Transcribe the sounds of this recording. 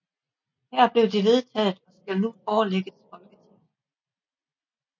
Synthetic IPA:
hæɐ̰b̥le̝ʊd̥iʋe̝ð̞ˠt͡sʰɛ̰ːð̩ˠɒ̽sɡ̥ælnufɒːleɡ̥əsfɒ̽lɡ̥ət͡sʰi

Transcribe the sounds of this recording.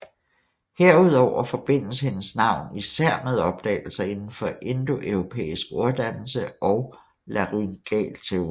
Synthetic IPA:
heɐ̰uð̞̰ˠɒʊ̰ɐfɒ̽b̥e̝n̰lsəhe̝nəsnɑ̈ʊ̰nisæɐ̰meðˠɒ̽b̥̚d̥ɛ̰ːɪl̩sɐe̝nn̩fɒ̽ʔe̝nd̥o̝ʔœʊʁo̝pʰḛːisɡ̥oɐd̥æn̰l̩səʔɒ̽ʊ | læʁynɡ̥ɛ̰ːlt͡sʰeo

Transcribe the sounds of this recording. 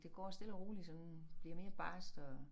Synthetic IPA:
d̥e̝ɡ̥ɒ̰ːsd̥e̝lɐʁuːlisɒ̽nb̥liɐme̝ːɐb̥ɑ̈ːsd̥ɒ̽

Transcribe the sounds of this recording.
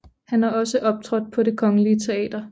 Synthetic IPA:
hænæɐɒ̽səʔɒ̽b̥̚t͡sʰʁɒd̥̚pʰɒ̽ɾe̝kʰɒ̽ŋəliət͡sʰe̝ɛ̰ːd̥ɐ

